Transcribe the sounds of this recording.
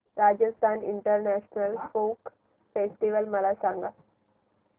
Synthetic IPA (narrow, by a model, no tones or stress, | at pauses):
ɾad͡ʑəst̪ʰanḭɳʈəɾnæɕnəlfok | fesʈiʋəlməlasaŋɡa